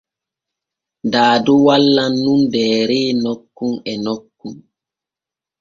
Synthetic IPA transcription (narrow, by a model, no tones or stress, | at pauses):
daːduwalːanːundɛːɾeːnɔkːunɛnɔkːun